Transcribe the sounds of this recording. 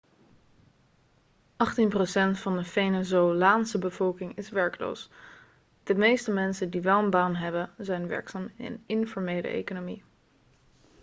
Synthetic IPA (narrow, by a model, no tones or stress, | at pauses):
ʔɑχtinprosɛntfɑndəfenazowlaːnsəbəv̥ɔlˠkɪŋɪsʋɛɹklo̰ws | d̥əmejstəmɛnsəndiʋɛlˠənbaːnɦɛbənzɛjnʋɛ̰ɹksaːm̰ə̰nɪnfɔɹmejlə̰ʔḛjkonomi